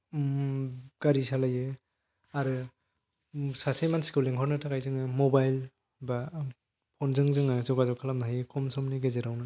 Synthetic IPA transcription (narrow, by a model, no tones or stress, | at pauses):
mɡ̥aɾisalajɯ | aɾɯ | sasejmansi̥kɯwleŋɦʰɔɾnɯtʰakajzɯŋɯmɔbajl | ba | pʰɔnzɯŋzɯŋɯzɔɡazɔwkʰalamnaɦajɯkɔmsɔmniɡezeɾawnɯ